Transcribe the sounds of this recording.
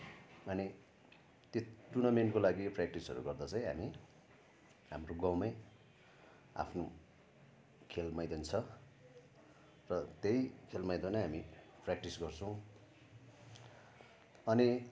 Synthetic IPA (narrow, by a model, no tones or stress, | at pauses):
ʌni | t̪joʈunʌmenkolaɡiprak̚ʈisʌ̰ɾṵɡʌrd̪ʌt͡sʌ̃j̃ɦa̰mi | ɦamroɡãwmaj | a̰pʰno | kʰelmajd̪ʌnt͡sʰʌ | rʌt̪ejkʰelmajd̪onʌɦami | prak̚ʈisɡʌrt͡sʰʌ̃w̃ | ʌni